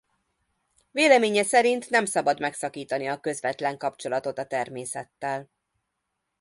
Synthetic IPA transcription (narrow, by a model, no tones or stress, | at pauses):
veːlɛmeːɲɛsɛɾint̪nɛmsɒbɒd̪mɛksɒkiːt̪ɒniɒkø̞zʋɛt̪lɛŋkɒpt͡ʃo̞lɒt̪o̞t̪ɒt̪ɛrmeːsɛt̪ːɛl